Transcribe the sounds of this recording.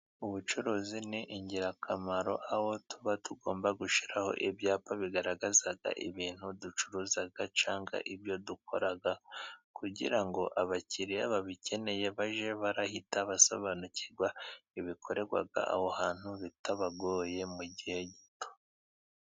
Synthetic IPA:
uβut͡ʃuɾoːziniʔiɲɟiɾakʰamaɾo̞̰ʔaho̞tuβatuɡo̞ːmbaɡuʃi̥ɾaho̞̰ʔibjaːpaβiɡaɾaɡazaɡa̰ʔḭβiːn̥hudut͡ʃuɾuːzaɡat͡ʃaːŋɡa̰ʔiβjo̞dukʰo̞̰ɾaɡakuɟḭɾaŋɡo̞ʔaβacʰiɾiaβaβicʰe̞ne̞je̞βaʒe̞βaɾahitaβaso̰βanuciɾɡwaiβikʰo̞ɾe̞ɾɡwa̰ɡa̰ʔa̰ho̞haːn̥huβitaβaɡoːje̞muɟihe̞ɟito̥

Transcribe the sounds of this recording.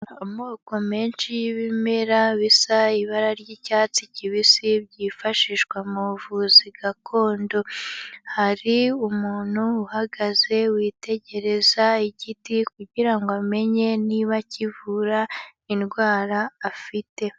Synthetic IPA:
omo̞ːko̞meːnʃijiβimeɾaβisaiβaɾaɾɟiːcaːt͡siciβisiβɟifaʃiʃkwamuvuziɡakʰo̞ːndo̞haɾiumuːn̥huːhaɡaze̞wiːte̞ɟe̞ɾe̞zaiɟitikuɟiɾaŋɡoame̞ɲe̞niβacivuɾainɡwaːɾaːfite̞

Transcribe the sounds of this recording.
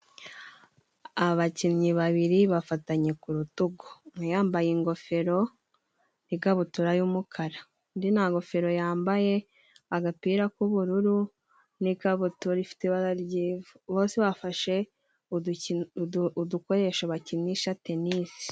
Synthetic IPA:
aβaciɲiβaβiɾiβafataɲe̞kuɾutuɡo̥jaːmbajiŋɡo̞fe̞ɾo̞ | niɡaβutuɾajumukʰaɾa | ndinaŋɡo̞fe̞ɾo̞jaːmbaje̞ | aɡapiɾakuβuɾuɾu | nikaβutuɾifi̥teβaɾaɾɟiːvuβo̞ːnseβafaʃe̞ | uduko̞ɾe̞ʃaβaciɲɲiʃate̞niːsi̥

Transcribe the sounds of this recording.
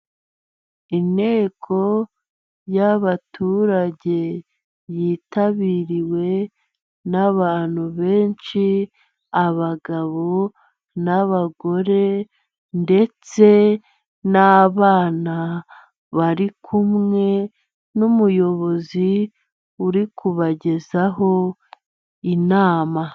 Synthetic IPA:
inhe̞ːkʰo̞ | jaβatuːɾaɟe̞ | jiːtaβiɾiwe̞ | naβaːn̥huβe̞ːnʃi | aβaɡaβo̞ | naβaɡo̞ɾe̞ | nde̞t͡se̞ | naβaːna | βaɾikʰumŋe̞ | numujo̞βo̞zi | uɾikʰuβaɟe̞zaɦo̞ | inaːma

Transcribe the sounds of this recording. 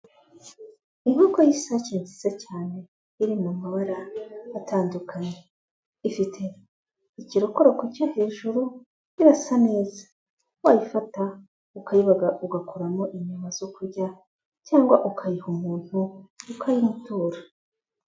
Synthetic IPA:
iŋukojisaciːnzizecaːne̞ | iɾimumawaɾaːtʰaːndukʰaɲe | ifitʰe̞ | iciɾokoɾo̞kocohe̞ːʒuɾu | iɾasane̞ːzḁ | waːjifata | ukaiβaɡaʔuɡakʰoɾamo̞ʔiɲumaz̥okuɾɟa | caːŋɡwa̰ʔukʰajihumuːn̥huːkʰajimutuːɾa

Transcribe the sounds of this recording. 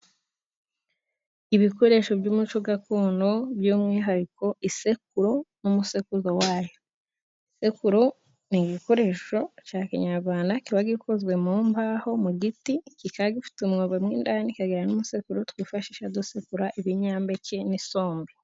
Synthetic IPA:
iβiko̞ɾe̞ːʃo̞bjuːmut͡ʃoɡakuːndoβjuːmŋiːɦaɾiko̞ʔise̞k̚uɾo̞numuse̞kuzowaːjo | ise̞kuɾo | niɡiko̞ɾe̞ʃo̞caːkiɲaɾɡwaːndakiβaɡikʰozwe̞muːmbaho̞muɡitikikaɡifi̥tumŋoβemŋḭːndanikaɡiɾanumuse̞kuɾotwiːfaʃiːʃadosekuɾaʔiβiɲaːmbeceniso̞ːmbe

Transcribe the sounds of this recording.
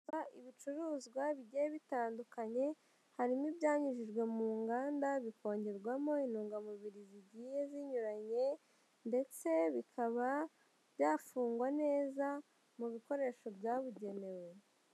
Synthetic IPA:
aiβit͡ʃuɾuːzɡwaβiɟeβitaːndukaɲe̞ | haɾimibjaːɲiʒiʒɡwe̞muːŋɡaːndaβiko̞ːɲɟe̞ɾɡwamo̞inuːŋɡamuβiɾiziɟiːje̞ziɲuɾaɲe̞ | nde̞t͡se̞βikʰaβa | β̥jaːfuːŋɡwane̞ːza | muβiko̞ɾe̞ːʃo̞bjaːβuɟe̞ne̞we̞

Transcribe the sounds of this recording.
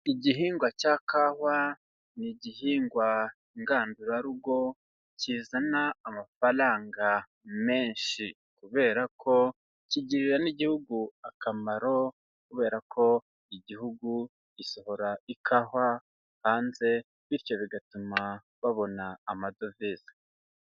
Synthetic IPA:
iɟiɦiːŋɡwacakahwa | niɟiɦiːŋɡwa | ŋɡaːnduɾaɾuɡwo̞ | ciːzanaːmafaɾaːŋɡa | me̞ːɲʃi | kuβe̞ːɾakʰo̞ | ciɟiɾiɾaniɟihuɡuakamaɾo̞ | kuβe̞ːɾakʰo̞ | iɟihuɡu | iso̞ho̞ɾaikʰaːhwa | haːnze̞ | βiɾco̞βiɡatuma | βaβo̞naːmadovizḁ

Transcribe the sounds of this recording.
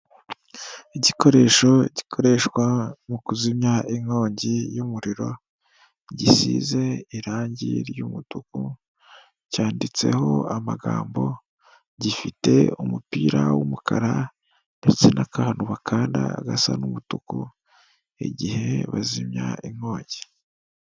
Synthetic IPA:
iɟikʰo̞ɾe̞ʃo̞ɟikʰo̞ɾe̞ʃkwamukuzimɲaʔiŋo̞ːɲɟijumuɾiɾo̞ | ɟisḭze̞iɾaːɲɟiɾjumutuku | caːndit͡se̞̰ho̞amaɡaːmbo̞ | ɟifite̞̰umupiːɾawumukʰaɾa | det͡senakahanuβakʰaːndaaɡasa̰numutuku | ḛɟihe̞βazimɲa̰iŋho̞ːɲɟi

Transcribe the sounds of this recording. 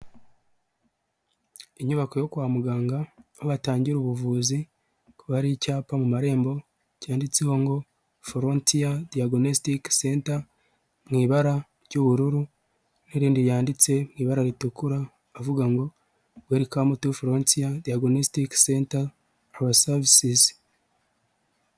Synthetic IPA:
iɲuβako̞jo̞kwaːmuɡaːŋɡaoβataːɲɟiɾuβuvuːzi | kuβaɾicaːpamumaɾe̞ːmbo̞ | caːndit͡seho̞ŋɡo̞ | foɾontiadiaɡonostiksenta | mŋiːβaɾa | ɾɟuβuɾuɾu | neɾiːndijaːndit͡se̞mŋiːβaɾaɾitukuɾaː | vuɡaŋɡo̞ | bweːɾikamutufoɾontiadiaɡonostiksenta | aβasavisis

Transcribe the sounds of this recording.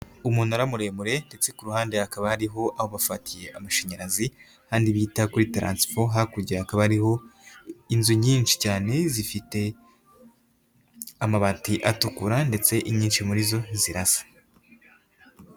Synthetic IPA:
umuːnuaɾamuɾe̞muɾe̞nde̞t͡se̞kuɾuhaːnde̞hakaβaaɾiɦo̞ʔaho̞βafatije̞ʔamaʃeɲaɾazi | haːndiβiːtakuɾitɾa̰ːnsfoɦakuɾɟiahakaβaɾiho̞ | inzuɲiːnt͡ʃi̥caːne̞zifite̞ | amaβaːtiʔatukuɾande̞t͡se̞ʔiɲiːnʃimuɾizo̞ziɾasḁ

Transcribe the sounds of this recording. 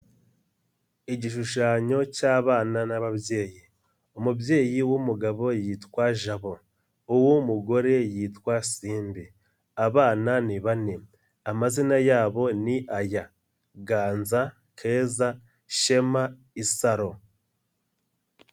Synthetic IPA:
iɟiʃuʃaːɲo̞caːβaːnanaβabje̞ːji | omubje̞ːjiwumuɡaβo̞jiːtwaʒaβo̞ | uwumuɡo̞ɾe̞jiːtwasiːmbi | aβaːnaniβane | amazinajaːβo̞niʔaja | ɡaːnza | kʰe̞ːza | ʃema | isaɾo̞

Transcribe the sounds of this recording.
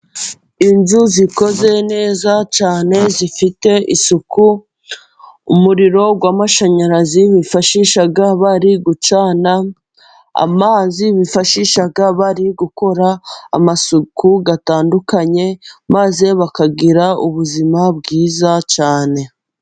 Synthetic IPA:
inzuziko̞ze̞ne̞ːzat͡ʃaːne̞zifite̞ʔisuku | umuɾiɾo̞ɡwaːmaʃaɲaɾaziβifaʃiʃaɡaβaɾiɡut͡ʃaːna | a̰maːziβifaʃiʃaɡaβaɾiɡuko̞ɾaa̰masukuɡataːndukaɲe̞maze̞βakaɡiɾauβuzimabɡiːzat͡ʃaːne̞

